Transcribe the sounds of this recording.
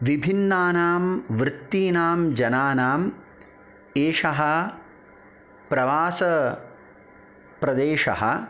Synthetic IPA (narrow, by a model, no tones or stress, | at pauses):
ʋibʱinːaːnaːmʋɾɪt̪ːiːnaːmd͡ʒɐnaːnaːm | eːʂɐɦɐ | pɾɐʋaːsɐ | pɾɐd̪eːʃɐ̰ɦɐ̰